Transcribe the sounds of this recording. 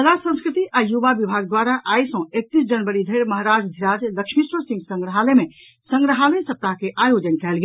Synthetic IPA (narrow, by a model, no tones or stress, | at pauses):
əlasə̃ñskɾit̪iʔajuʋabibʱaɡ̚d̪waɾaʔajsə̃ek̚t̪is̬d͡ʒənbəɾid̪ʱəjɾməɦaɾad͡ʒd̪ʱiɾad͡ʒləkʃmisɾəsĩŋɡsə̃ŋɡɾəɦaleme | sə̃ŋɡɾəɦalesəp̚t̪aɦkeʔajod͡ʒənkɛlɡe